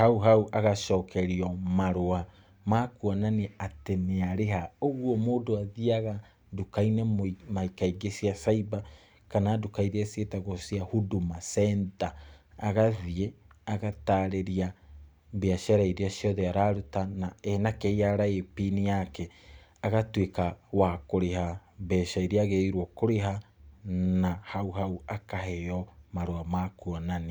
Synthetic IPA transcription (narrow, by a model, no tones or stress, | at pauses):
hauɦauʔaɣaʃɔːkʰɛɾiɔmaɾoa | maːkuɔnaneateneaɾeɦaoɣwɔmoːdoaðiaɣa | dukainɛmomaikaiɡesiasaiba | kanaːdukaiɾasetaɣosiahudumasɛːndaːɣaðie | aɣataɾeɾia | beaʃaɾaiɾiaʃijɔðeaɾaɾutanaɛnakɛiaɾaepinijakɛ | aɣatwekawakoɾeɦabɛʃaiɾiaɣeiɾwɔkoɾeɦa | nahauɦauakaɦɛjɔmaɾoamakuɔnani